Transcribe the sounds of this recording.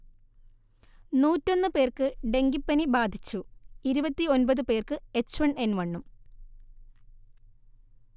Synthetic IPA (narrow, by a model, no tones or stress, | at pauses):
nuːtːo̞nːɨpe̞ːrkɨɖe̞ŋɡipːɐnibaːd̪ʱit͡ɕːuiɾubɐt̪ːio̞nbɐðɨpe̞ːrkɨe̞t͡ɕːuʋɐɳenʋɐɳːum